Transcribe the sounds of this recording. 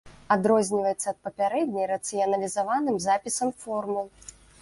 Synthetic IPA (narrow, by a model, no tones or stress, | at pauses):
ad̪ɾɔzʲnʲivɐjɛt̪sːɐːt̪̚pɐpʲaɾɛd̪ʲnʲɐjɾɐt̪sɨjɐnɐlʲizavanɨmzapʲisɐmfɔrmɨ